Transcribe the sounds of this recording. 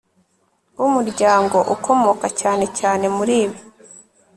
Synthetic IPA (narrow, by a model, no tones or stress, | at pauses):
wumuɾɟaːŋɡo̞ʔukʰo̞mo̞kacaːne̞caːne̞muɾiːβi